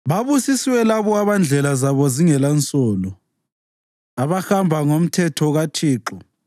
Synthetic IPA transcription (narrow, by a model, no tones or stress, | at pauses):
βaβusiswɛlaβɔaβand͡ɮʱɛlazaβɔziŋɛlant͡sʼɔːlɔ | aβaxambʱaŋom̩tʰɛtʰɔɣatʰiːǁɔ